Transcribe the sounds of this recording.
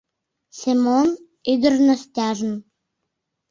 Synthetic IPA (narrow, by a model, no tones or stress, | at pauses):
semon | yd̪ərnost̪ʲɑʒən